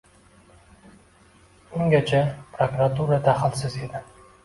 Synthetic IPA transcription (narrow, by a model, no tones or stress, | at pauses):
ʊŋɡʲat͡ʃʰapʰɾokɾat̪uɾat̪ʰaχɪlsɪze̞d̪ɪ